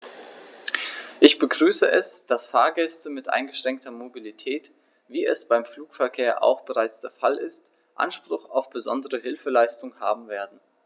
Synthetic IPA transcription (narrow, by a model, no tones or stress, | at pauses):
ʔɪçb̥əɡʁyːsəʔɛsd̥asfaːɐɡɛstəmɪtʔa̰ɪnɡəʃʁ̥ɛŋk̚tʰɐmobilitʰɛːt | v̥iːɛsb̥aɪmfluːkfɛɐkʰeːɐʔa̰ʊxb̥əʁaɪt͡sd̥eːɐfalɪst | ʔa̰nʃpʁ̥ʊxaʊfb̥əzɔndəʁəɦɪlfəlaɪstʊŋha̰ːbm̩veːɐdn̩